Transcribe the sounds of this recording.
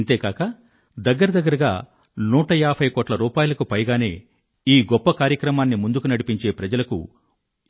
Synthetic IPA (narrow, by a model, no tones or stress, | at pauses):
nt̪e̞ːkaːkɐ | d̪ɐɡːɐɾɐd̪ɐɡːɐɾɐɡa̰ː | nuːʈɐjaːpʰɐjkoːʈlɐɾuːpaːjulɐkupɐjɡaːne̞ː | iːɡɔpːɐkaːɾjɐkɾɐmaːnːimund̪ukunɐɽipiɲt͡ʃe̞ːpɾɐd͡ʒɐlɐkṵ